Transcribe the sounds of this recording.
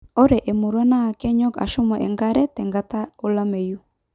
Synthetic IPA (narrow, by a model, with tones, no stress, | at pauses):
o˦ɾɛ˨ʔe˨mo˨ɾwa˦naː˦˨kɛ˦ɲɔ˦ka̰˨ʃɔ˦ma˨ʔɛ˨ŋɡa˦ɾɛ˦tɛ˨ŋɡa˦ta˦o˦la˦me˨ju˦